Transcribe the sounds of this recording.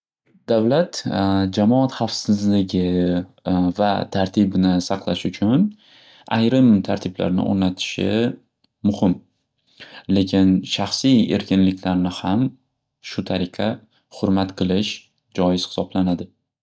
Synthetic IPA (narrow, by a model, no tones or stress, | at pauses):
d̪avlat̪d͡ʒamɒat̪χafsɪzlɪɡʲɪ | vat̪ʰaɾt̪ʰɪbɪnɪsɑqʰlˠaʃʊt͡ʃʰʊn | ajɾɪmt̪ʰaɾt̪ʰɪbla̰ɾnɪ̰ʔo̰ɾnat̪ʰɪ̥ʃɪ̰ | mʊhɪm | le̞kʲʰɪnʃaχsije̞̰ɾkʲʰɪnlɪkʲlaɾnɪham | ʃʊt̪ʰaɾɪqʰɑ | χʊɾmat̪qʰɨlˠɪʃ | d͡ʒɒjɪz̥hɪ̥sɒblanad̪ɪ